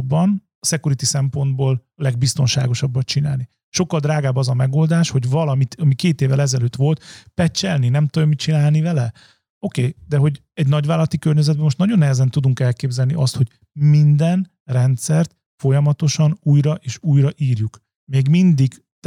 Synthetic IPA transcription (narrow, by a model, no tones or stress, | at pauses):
bːɒn | sɛkuɾit̪isɛmpo̞nd̪boːl | lɛɡ̚bist̪o̞nʃa̰ːɡo̞ʃɒbːɒt̪t͡ʃina̰ːlni | ʃo̞kːɒld̪raːɡaːbɒzɒmɛɡo̞ːld̪aːʃho̞ɟvɒlɒmit̪ɒmikeːt̪eːvɛlɛzɛløːt̪ʋo̞lt̪pɛt͡ʃːɛlninɛmt̪oomit͡ʃinaːlnivɛlɛ | o̞keːd̪ɛɦo̞ɟ | ɛɟnɒɟʋaːlɒlɒt̪ikørɲɛzɛd̪̚bɛmo̞ʃt̪nɒɟo̞nːɛɦɛzɛnt̪ud̪uŋkɛlkeːbzɛlniʔɒst̪ho̞ɟ̥ | mind̪ɛn | rɛnt̪sɛrt̪ | fo̞jɒmɒt̪o̞ʃɒnuːjɾɒʔeːʃuːjrɒʔiːrjuk | meːɡmind̪iɡ | t̪